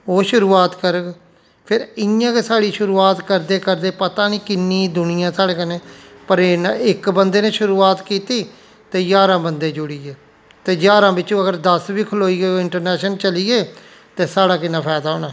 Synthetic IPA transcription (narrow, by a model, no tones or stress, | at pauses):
oːʃʊɾuːaːt̪kəɾɡ | pʰɪɾɪjãːkesaːɽiːʃʊɾuːaːt̪kəɾd̪eːkəɾd̪eːpət̪ãːniːkɪnːiːd̪ʊnɪjãːsaːɽeːkəneːpəɾnɪkbənd̪eːnẽːʃʊɾuːaːt̪kiːt̪iː | t̪eːd͡ʒaːɾãːbənd̪eːd͡ʒʊɽiːeː | t̪eːd͡ʒaːɾãːbɪt͡ʃõːəɡəɾd̪əsbiːkʰʊloːiːɡeoːɪɳʈəɾnɛːʃənt͡ʃəliːeː | t̪eːsaːɽaːkɪnãːpʰɛːd̪aːɦoːnaː